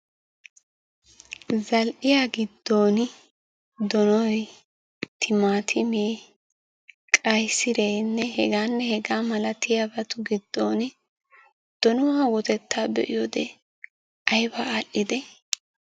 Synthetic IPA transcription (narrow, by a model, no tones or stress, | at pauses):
zɐlʔɪjaɡɪd̪ːo̞ːn | d̪ɔnɔj | t̪ʰɪmaːt̪ʰɪmeː | kʼɐjsɪɾeːnːɛhɛɡaːnːɛhɛɡaːmɐlɐt̪ɪjabɐt̪ʊɡɪd̪ːoːn | d̪̥ɔnʊwaːwɔt̪ɛt̪ːaːbɛ̰ʔɪjoːd̪ɛ | ʔɐjbaːʔɪd̪ɛ